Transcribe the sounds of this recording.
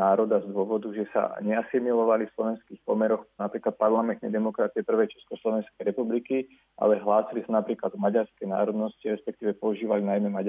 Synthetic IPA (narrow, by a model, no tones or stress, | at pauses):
aːɾɔd̪azd̪ʊɔʋɔd̪uʒɛsa̰ɲɛasimilɔʋalifslɔʋɛnskiːxpɔmɛɾɔxnapɾiːklat̪̚paɾlamɛnt̪nɛjd̪ɛmɔkɾat͡siɛpr̩ʋɛjt͡ʃɛ̥skɔslɔʋɛnskɛjɾɛpubliki | ʔa̰lɛɦlaːsilisanapɾiːklad̪ɔmaɟaɾskɛjna̰ːɾɔd̪nɔsciɾɛspɛk̚t̪iːʋɛpɔuʒiːʋalinajmɛmaɟ